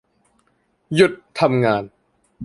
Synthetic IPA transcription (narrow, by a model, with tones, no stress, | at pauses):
ju˨˩t̪ʰːa˧mŋaː˧n